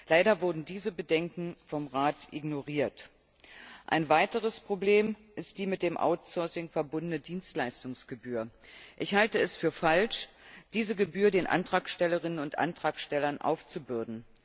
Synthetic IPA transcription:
laɪɾɐvʊɐdn̩diːzəbədɛŋkŋ̩fɔmʁaːtʔɪɡnoʁiːɐt | ʔa̰ɪnvaɪtəʁ̞əspʁ̥obleːmʔɪst̚d̥iːmɪt̚d̥eːmʔa̰ʊtsɔɐsɪŋfɛɐbʊndənədiːnstlaɪstʊŋsɡ̥əbyːɐʔɪçhaltəɛsfyːɐfalʃd̥iːzəɡəbyːɐdeːnʔa̰ntʁ̥aːkʃtɛləʁɪnənʊntʔa̰ntʁ̥aːkʃtɛlɐnʔa̰ʊft͡subʏɐdn̩

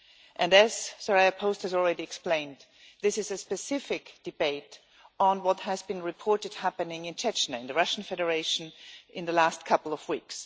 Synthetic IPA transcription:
ʔɨ̃nɨz̥səɹaɪɨpʰoʊst̚hɨzl̩ˠɹɛɾiɛksplẽɪ̃nd | ðɪsɨzɨspɨsɪfɪkd̥ɨbeɪɾ | n̩wʌt̚hɨzbɨ̃nɹɨpʰɔɹɾɨd̥̚hæpɨnɪ̃ŋɨ̃nt͡ʃʰɛt͡ʃnɨɨ̃nðɨɹʌʃn̩fɛɾə˞eɪʃn̩ʔɪ̃nðəlæst̚kʰʌpl̩ˠʌvwiks

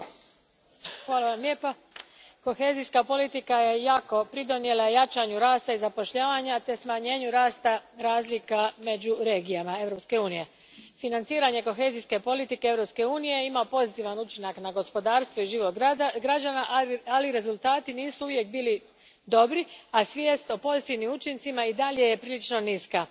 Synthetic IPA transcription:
xʋaːlaʋamlʲeːpo | ko̞xe̞ːziskapo̞lit̪ikaje̞jaːko̞pɾid̪o̞njelˠajat͡ʃaɲuɾaːst̪aizapo̞ʃʎaːʋaɲat̪e̞smaɲe̞ːɲuɾaːst̪aɾaːzlikame̞d͡ʑuɾe̞ːɡijamae̞vɾo̞pske̞uːnije̞ | finant̪siːɾaɲe̞ko̞xe̞ːziske̞po̞lit̪ikeevɾo̞pske̞uːnije̞imaopo̞zit̪iːʋanut͡ʃinaknaɡo̞spo̞d̪aːɾst̪ʋoiʒiːʋo̞ɡɾad͡ʑanaaliɾe̞zulˠt̪aːt̪iniːsuuʋje̞k̚biːli | d̪o̞bɾiasʋjeːst̪o̞po̞zit̪iʋnimut͡ʃint̪simaid̪aʎe̞je̞pɾiːlit͡ʃno̞niska

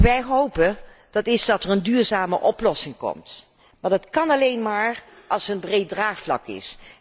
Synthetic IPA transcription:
ʋɛjɦowpə | d̥ɑtɪzdɑtərəndyːɹzaːmə̰ʔɔplɔsɪŋkɔ̰mt | maːɹdɑtkɑnɑlejnmaːɹ | ʔɑlˠsənbrejt̚draːχflɑ̰kɪ̰s

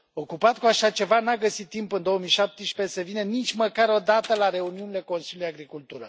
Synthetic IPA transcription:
o̞kupat̪̚kuaʃat͡ʃe̞vanaɡəsit̪ːimpɨnd̪o̞womiʃap̚t̪əʃpesevinenit͡ʃʲməkaɾo̞d̪at̪əlaɾe̞uniunile̞ko̞nsiluleaɡɾikult̪uɾə̰

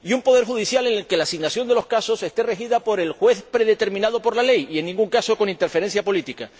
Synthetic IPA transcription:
iumpo̞ð̞e̞ɾxuðisjale̞nelke̞laːsiɣnasjo̞nd̪e̞lo̞hskaso̞se̞st̪e̞re̞xiðapo̞ɾe̞lxwe̞θpɾe̞ðe̞t̪e̞ɾmĩnað̞o̞po̞ɾlale̞jie̞nːĩŋɡuŋkaso̞ko̞nint̪eɾfeɾe̞ns̬japo̞lit̪ika

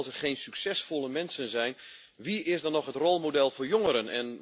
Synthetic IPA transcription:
lˠsɛrχeːnsyksɛsfolˠəmɛnsənzɛjn | ʋiɪsdɔnɔxɦətrɔlˠmodɛlˠfoːjoŋəɾənɛ̰n

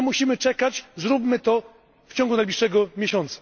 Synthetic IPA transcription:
muɕimɘt͡ʂɛkat͡ɕzɾupmɘt̪ɔ | ft͡ɕɔ̃ŋɡunajblʲiʂːɛɡɔmʲjeɕɔnt̪sḁ

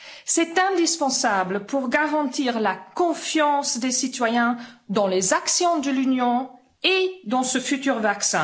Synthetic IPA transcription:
sɛt̪ɛ̃d̪ispɑ̃sabləpuʁɡaʁɑ̃t̪iːʁlakɔ̃fjɑ̃sd̪esit̪wajɛ̃d̪ɑ̃lezaksjɔ̃d̪əlynjɔ̃ | ed̪ɑ̃səfyt̪yʁvaksɛ̰̃

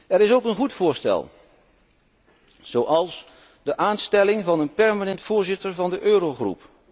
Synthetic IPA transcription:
ɛɾɪsowkənχutfʊːɹstɛ̰lˠ | z̥owʔɑlˠs | dəʔaːnstɛlɪŋvɑnənpɛɹmanɛntfʊːɹzɪtəɹvɑndəʔøːɾoχrṵp

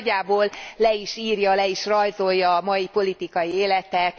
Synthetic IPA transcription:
ɟːaːboːllɛiʃiːrjɒlɛiʃrɒjzo̞jːɒːmɒjipo̞lit̪ikɒjieːlɛt̪ɛt̪

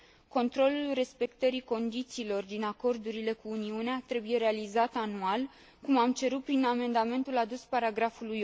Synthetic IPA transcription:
ko̞nt̪ɾo̞lulre̞spe̞kt̪əɾiko̞nd̪it̪siːlo̞rd̪inako̞rd̪uɾile̞kuːniuneat̪ɾe̞buje̞ɾe̞alizat̪anual | kumamt͡ʃe̞ɾut̪̚pɾiname̞nd̪ame̞nt̪ulad̪uspaɾaɡɾafuluj

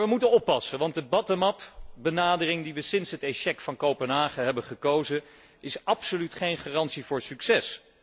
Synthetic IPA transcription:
əmutənɔpːɑsənʋɑnt̚dəbɑtəmɑpbənaːdərɪŋdiʋəsɪnsɦəteʃɛkfɑnkowpənɦaːχəɦɛbənχəkowzə | ɪsɑpsolytχejnχaːrɑntsivʊːɹsyksɛs

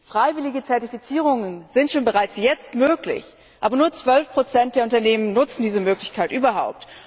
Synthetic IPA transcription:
fʁ̥aɪvɪlɪɡət͡sɛɐtifit͡siːʁ̞ʊŋənzɪntʃoːnbəʁaɪt͡sjɛt͡stmøːklɪ̰ç | ʔa̰ːbɐnuːɐt͡sv̥œlfpʁ̥ot͡sɛnt̚d̥eːɐʊntɐneːmənnːʊt͡sn̩diːzəmøːklɪçkʰaɪtʔyːbɐɦa̰ʊp̚t

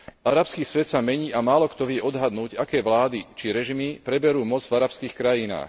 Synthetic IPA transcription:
aɾapskiːsʋɛt̪samɛɲiːʔamaːlɔkt̪ɔʋɪɛʔɔd̪ɦad̪nuːɟakɛːʋlaːd̪it͡ʃiɾɛʒimipɾɛbɛɾuːmɔd͡zvaɾapskiːxkɾajina̰ːx

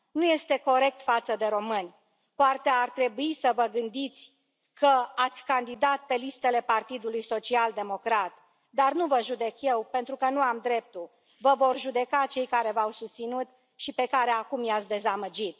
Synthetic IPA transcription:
nuje̞st̪e̞ko̞ɾe̞k̚t̪fat̪səd̪e̞ɾo̞mɨnʲ | poat̪eart̪ɾe̞buisəvəɡɨnd̪it̪sʲ | kəat̪sʲkand̪id̪at̪̚pe̞list̪e̞le̞part̪id̪ulujso̞t͡ʃiald̪e̞mo̞kɾat̪ | d̪arnuvəʒud̪e̞kje̞wpent̪ɾukənuamd̪ɾe̞p̚t̪ul | vəvo̞rʒud̪e̞kat͡ʃe̞jkaɾe̞vawsust̪sinut̪ | ʃipe̞kaɾeakumjat̪sʲd̪e̞zaməd͡ʒit̪̚

